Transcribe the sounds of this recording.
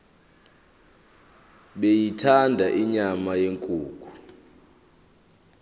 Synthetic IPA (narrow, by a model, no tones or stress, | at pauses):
ɓejitʰandʱaʔiɲamajeŋkʼuːk̬ʰʼu̥